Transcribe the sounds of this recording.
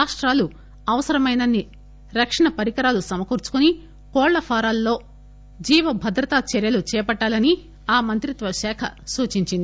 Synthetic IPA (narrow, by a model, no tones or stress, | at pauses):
aːʂʈɾaːlu | ɐʋɐsɐɾɐmɐjnɐnːi | ɾɐkʂɐɳɐpɐɾikɐɾaːlusɐmɐkuːɾt͡ʃu̥kuni | kɔːɭlːɐpʰaːɾaːlːo̞ː | d͡ʒiːʋɐbʱɐd̪ɾɐt̪aːt͡ʃɛɾjɐlut͡ʃɛːpɐʈːaːlɐni | aːmɐnt̪ɾit̪ʋɐʃɛːkʰɐsuːt͡ʃiɲt͡ʃind̪i